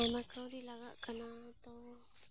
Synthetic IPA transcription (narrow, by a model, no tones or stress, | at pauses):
ɛmakawɾilaɡaʔkanat̪o